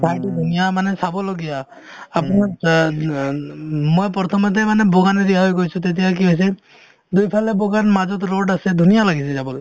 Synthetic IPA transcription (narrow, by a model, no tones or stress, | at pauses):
pʰajtud̪ʱunijamanɛsabɔloɡijaː | puna | mojpɔt̪ʰɔmɔt̬ɛmanɛboɡanɛdiaɦojkojsʊ̃tet̬ijak̬iɦojs̬ɛ | dujpʰalɛboɡanmazɔtɹoɖasɛdʱunijalaɡisɛzabɔlɡ